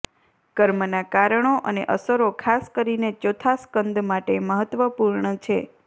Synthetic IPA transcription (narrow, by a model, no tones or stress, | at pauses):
kəɾmənakaɾəɳ̃oʔənḛʔəsəɾokʰaskəɾinet͡ʃot̪ʰaskənd̪ʱmaʈeməɦət̪ʋəpuɾɳət͡ʃʰe